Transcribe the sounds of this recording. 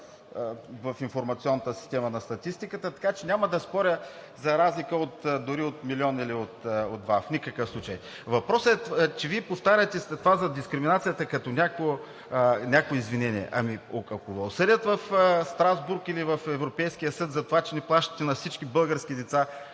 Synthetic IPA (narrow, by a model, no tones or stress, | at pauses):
vɐfinfoɾmɐt̪sʲiɔnːɐt̪əsi̥st̪ɛmənɐst̪ɐt̪ist̪ikət̪ət̪ɐ̥kat͡ʃɛnʲaməd̪ɐspɔɾʲə | zɐɾazlikəot̪d̪ʊɾiot̪milʲiɔniliot̪od̪vafnʲikəkəfslˠut͡ʃəj | vɐpɾɔsɛt͡ʃɛviɛpoft̪aɾʲət̪ɛt̪ovazɐd̪iskɾiminat̪sijət̪əkɐt̪ɔnʲako | nʲakoɛizvinɛniɛ̰ʔɐ̰miokɐkovɐʊsəd̪ʲət̪vɐfst̪ɾazbuɾkilivɐfɛvɾopɛjsk̟ijəsɤt̪zɐt̪ovat͡ʃɛnɛplˠaʃt̪ə̥t̪ɛnɐfsit͡ʃkibɤlˠɡəɾskʲid̪ɛt̪sa